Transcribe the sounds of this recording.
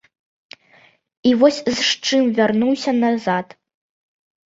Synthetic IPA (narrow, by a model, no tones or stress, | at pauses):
ivɔsʲzʂt͡ʂɨmvʲarnuwsʲɐnazat̪